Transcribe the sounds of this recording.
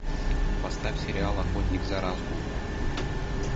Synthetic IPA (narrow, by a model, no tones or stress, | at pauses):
pɐst̪afʲsʲɪɾʲɪalˠɐxot̪ʲnʲɪɡzɐɾazɡu